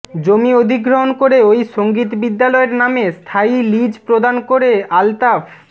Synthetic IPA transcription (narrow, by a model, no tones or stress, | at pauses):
d͡ʑomiod̪ʱiɡɾoɦonkoɾeojʃoŋɡit̪bid̪ːalɔeɾnamest̪ʰailid͡ʑpɾod̪ankoɾealt̪af